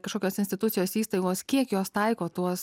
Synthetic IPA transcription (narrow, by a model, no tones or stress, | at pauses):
kɐʃkoːkʲoːsɪnsʲt̪ʲɪt̪ʊt̪sʲɪjoːsiːst̪ɐɪɡoːskʲiɛkjoːst̪ɐɪkoːt̪uɔs